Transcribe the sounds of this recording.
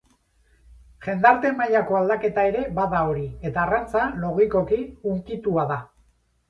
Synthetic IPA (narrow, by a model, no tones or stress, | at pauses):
ʝe̞nd̪aɾt̪e̞maʎako̞ald̪ake̞t̪ae̞ɾe̞βaðao̞ɾie̞t̪aːrant͡salo̞ɣiko̞kiuŋkit̪uaða